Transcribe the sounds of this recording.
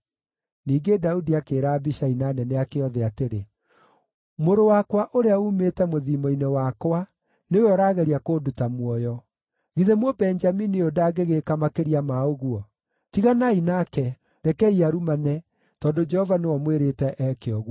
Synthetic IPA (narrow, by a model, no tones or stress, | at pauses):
niːɡedaudiakeːɾaːbiʃainaːnɛnɛakeɔðɛateɾe | moɾowakwaʔoɾeaumetɛmoðimɔinewakwa | neweɔɾaːɣɛɾiakoːdutamwɔjɔ | ɣiðemwɔbɛnd͡ʒaminiodaːɡeɣekamakeɾiamaoɣuɔ | tiɣanainaːkɛ | ɾɛkɛiaɾumanɛ | tɔːndod͡ʒɛhɔvanewɔmweɾetɛʔɛkeɔɣ